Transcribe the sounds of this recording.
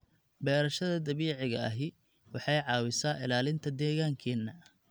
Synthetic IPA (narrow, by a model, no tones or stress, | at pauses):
bɛːɾɐʃɐðɐd̪ɐβiːʕɪɣɐɐɦɪ | wɑħɑjʕɑːwɪsaːʔɪ̰laːlɪnt̪ʰɐd̪ɛːɣaːŋkʰɛːnːɐ